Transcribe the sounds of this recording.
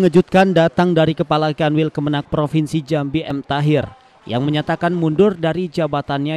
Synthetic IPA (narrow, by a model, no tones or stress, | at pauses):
ŋəd͡ʒut̪̚kandat̪aŋdaɾikəpalaɡanwɪlkəmənak̚pɾofinsid͡ʒambiʔɛmt̪aɦɪr | ja̰ŋməɲat̪akanmundʊrdaɾid͡ʒabat̪anɲa